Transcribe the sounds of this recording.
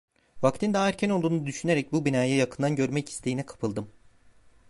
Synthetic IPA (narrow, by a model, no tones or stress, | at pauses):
vakt̪ʰind̪aːæɾcʰæno̞lˠd̪uːnud̪yʃyne̞ɾɛc̚bubinaːjajakʰɯnd̪anɟø̞ɾmɛci̥st̪ʰe̞jinɛkʰḁpʰɯlˠd̪ɯm